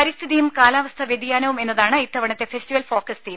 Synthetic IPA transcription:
pɐɾist̪ʰiðijumkaːlaːʋɐst̪ʰɐʋjed̪ijaːnɐʋume̞nːɐðaːɳɨit̪ːɐʋɐɳɐt̪ːe̞fe̞stiʋɐlfo̞ːkɐst̪ij

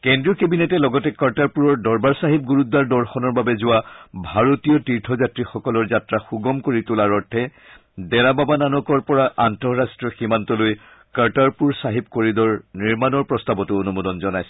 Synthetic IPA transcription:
kɛndɹiɔkebinetɛlɔɡɔtɛkaɹtaɹpuɹɔɹdɔɹbaɹsaɦip̚ɡuɹudːaɹdɔɹxɔnɔɹbabɛzʊwabʱaɹotijɔtiɹtʰɔzatɹixɔkɔlɔɹzatɹaxuɡɔmkoɹitʊlaɹɔɹtʰːɛ | dɛɹababananɔkɔɹpɔɹaʔantɔɹastɹiɔximantɔloj | kaɹtaɹpuɹsaɦip̚koɹidɔɹniɹmanɔɹpɹɔstabɔtʊonumɔdɔnzɔnajsɛ̥

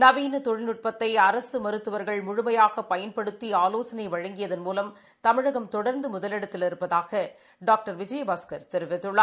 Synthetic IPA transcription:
nɐʋiːnɐt̪ɔɻɪnɯʈ̚pɐt̪ːɐɪɐɾɐsɯmɐɾɯt̪ːɯʋɐɾɣɐɭmʊɻʊmɐjaːɣɐpɐjɐnpɐɽɯt̪ːiaːloːsɐnɐɪʋɐɻɐŋɡɪjɐðɐnmuːlɐm | t̪ɐmɪɻɐɣɐmt̪ɔɽɐɾnd̪ɯmʊðɐlɪɽɐt̪ːɪlɪɾɯpːɐðaːɣɐ | ɖaːk̚ʈɐɾʋɪd͡ʒɐjɐbaːskɐɾt̪ɛɾɯʋɪt̪ːɯɭːɐ

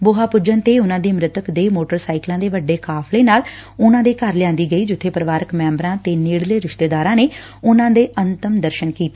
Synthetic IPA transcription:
boːɦaːpʊd͡ʒənt̪eːʊnãːd̪iːmɾɪt̪əkd̪eːmoːʈəɾsaːɪklãːd̪eːʋəɖːeːkaːfʰleːnaːl | ʊnãːd̪eːkəɾlɪjãːnd̪iːɡəiːd͡ʒʊt̪ʰːeːpəɾəʋaːɾəkmɛ̃ːmbɾãːt̪eːniːɽleːɾɪʃt̪eːd̪aːɾãːneː | ʊnãːd̪eːʔənt̪əmd̪əɾʃənkiːt̪eː

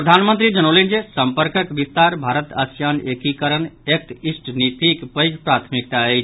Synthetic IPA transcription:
pɾəd̪ʱanmənt̪ɾid͡ʒənolind͡ʒesəmpəɾkəkʋist̪aɾbʱaɾət̪ə̰sjanekikəɾənek̚t̪isʈnip̪ikpəjɡpɾat̪ʰmik̚t̪aəɪt͡ʃʰ

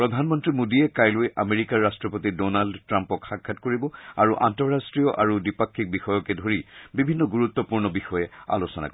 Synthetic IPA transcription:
pɹɔdʱanmɔntɹimodiɛkajlʊjʔameɹikaɹːastɹɔpotidɔnaldtɹampɔkxakʰːatkoɹibɔa̰ɹuʔantɔɹːastɹijɔʔaɹudipakʰːik̚bixɔjɔkɛdʱoɹibibʱinːɔɡuɹut̪ːɔpuɹnɔbixɔjɛa̰losɔna̰ko

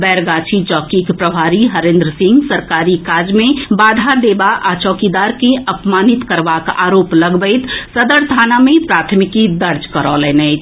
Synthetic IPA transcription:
bɛɾɡat͡ʃʰit͡ʃɔːkikpɾəbʱaɾiɦəɾẽnd̪ɾəsĩŋɡsəɾkaɾikad͡ʒmẽbad̪ʱaɾd̪ebaʔat͡ʃɔːkid̪aɾkeʔəpmanit̪kəɾbaka̰ɾopləɡbəɪt̪səd̪əɾt̪ʰanamẽpɾat̪ʰmikid̪əɾd͡ʒkəɾɔlɛnɛɪt͡ʃʰ

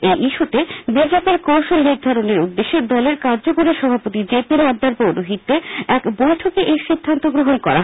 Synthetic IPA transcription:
ejʔiʃuʈ̪ebid͡ʑepeɾkowʃolniɾd̪ʱaɾoneɾud̪ːeʃːed̪ɔleɾkaɾd͡ʑokoɾeʃɔbʱapot̪id͡ʑepiɾɔd̪ːaɾpowɾoɦit̪ːeɛkbojʈʰokeʔejʃid̪ʱːant̪oɡɾoɦonkɔ̰ɾa̰ɦ

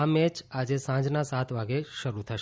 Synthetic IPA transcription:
amɛt͡ʃad͡ʒesãd͡ʒnasat̪ʰʋaɡeʃəɾut̪ʰəʃ

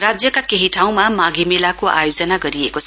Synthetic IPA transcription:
rad͡zjʌkakeɦiʈʰaw̃mamaɡemelakoʔa̰jod͡zʌnaɡʌɾiekot͡sʰ

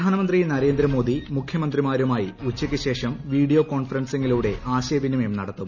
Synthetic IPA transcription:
aːnɐmɐnd̪rijnɐɾe̞ːnd̪ɾɐmo̞ːd̪imukʰjɐmɐnd̪rimaːɾumaːjiut͡ɕːɐkʲːɨɕe̞ːʂɐmʋiːɽijo̞ːko̞ːnfɐrɐnse̞ŋɡiluːɽe̞ʔaːɕɐjɐʋinːɐmeːmnɐɽɐt̪ːum

